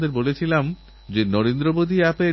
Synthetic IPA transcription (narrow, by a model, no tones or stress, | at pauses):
d̪eɾbolet͡ɕʰilam | d͡ʑenɔɾend̪ɾobod̪ʱiɛpe